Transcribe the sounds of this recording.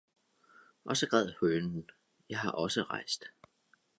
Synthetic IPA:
ʔɒ̽sɒ̽ɡ̥ʁɛð̰̩ˠhøːnn̩ | jɑ̈ɪɦɑ̈ʔɒ̽səʁɑ̈ɪ̰sd̥

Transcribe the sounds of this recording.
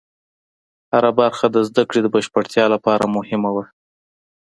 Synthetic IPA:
haɾabaɾxad̪əzd̪akɽed̪əbaʃpaʈt̪jɑlapɑɾamʊhɪmawa

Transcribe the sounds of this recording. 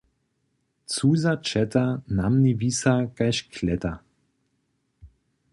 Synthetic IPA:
t͡suːzat͡ʃɛt̪anamnivisakajʃkʰlɛt̪a

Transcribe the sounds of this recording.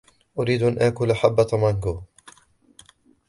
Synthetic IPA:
ʔʊɾiːd̪ʔanʔaʔkʊlʔaħabːat̪ˤamaŋɡoː

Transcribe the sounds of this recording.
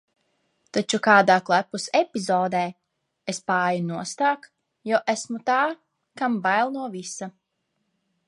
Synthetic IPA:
t̪at͡ʃukaːd̪aːklˠæpusepʲizɔːd̪ɛː | espaːjunuɔst̪aːk | jɔwʔæsmut̪aː | kambajlˠnuɔvisa

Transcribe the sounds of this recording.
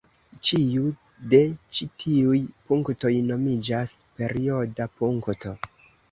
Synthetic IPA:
t͡ʃiu | de̞t͡ʃitʰiujpuŋkto̞jno̞mid͡ʒaspe̞ɾio̞dapuŋktʰo̞̰

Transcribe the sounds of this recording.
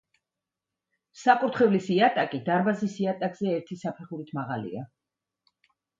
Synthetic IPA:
saqʼuɾt̪ʰχɛvlisiat̪ʼakʼid̪aɾbazisiat̪ʼakʼz̥ɛɛɾt̪ʰisapʰɛχuɾit̪ʰmaʁa̰lḭa

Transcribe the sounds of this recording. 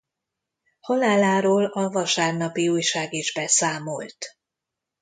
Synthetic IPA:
hɒlaːlaːɾoːlɒvɒʃaːrnɒpiuːjʃaːɡiʒbɛsaːmolt̪

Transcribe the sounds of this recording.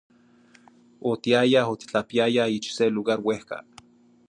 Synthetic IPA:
ot̪iajaɦot̪i̥t͡ɬapiajahit͡ʃseluɣaɾwehka̰

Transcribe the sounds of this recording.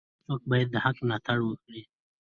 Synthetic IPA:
t͡soːk̚bajad̪̚ːəhaknat̪ʰaɽwək̚ɽi

